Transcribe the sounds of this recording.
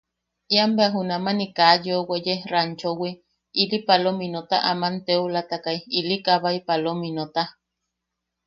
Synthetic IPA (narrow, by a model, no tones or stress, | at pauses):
iambeaɦunamanikajowejerant͡ʃowi | ilipalominot̪a̰ʔamant̪eulat̪akajilikaβaipalominot̪a